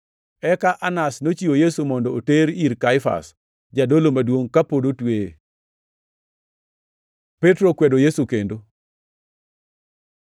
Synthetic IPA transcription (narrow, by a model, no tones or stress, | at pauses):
ɛkaʔanasnot͡ʃiwojesumɔndɔːteɾiɾkaɪfa̰s | d͡ʒadolomadwoŋkapodotwe | petɾokwedojesukendo